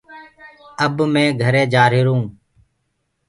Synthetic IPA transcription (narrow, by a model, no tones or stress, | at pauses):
əbmẽːɡʱəɾẽːd͡ʒaːɾɪːɾũː